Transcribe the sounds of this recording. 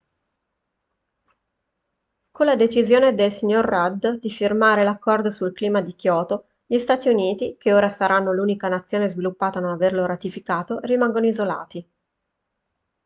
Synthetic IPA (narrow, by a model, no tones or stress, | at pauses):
kolːad̪et͡ʃizjoːned̪elsiɲːorːad̪d̪ifirmaːɾelakːɔrd̪osulkliːmad̪ik̟jɔːt̪o | ʎist̪aːt̪iuniːt̪ikeoːɾasaɾanːoluːnikanat̪sːjoːnezvilupːaːt̪anonaverloɾat̪ifikaːt̪orimaŋɡonoizola̰ːt̪i